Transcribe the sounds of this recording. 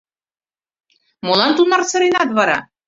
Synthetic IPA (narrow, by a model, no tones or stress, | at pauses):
molɑnt̪unɑrt͡sɤ̆ɾenɑt̪βɑɾɑ̰